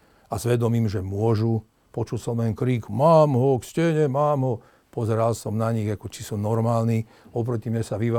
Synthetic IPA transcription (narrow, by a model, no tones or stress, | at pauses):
azʋɛd̪ɔmiːmʒɛmʊɔʒu | pɔt͡ʃulsɔmlɛnkɾiːkumaːmɦɔkscɛɲɛmaːmɦɔ | pɔzɛɾalsɔmnaɲiɣakɔt͡ʃi̥sunɔɾmaːlni | ɔp̬ɾɔcimɲɛsaʋiʋa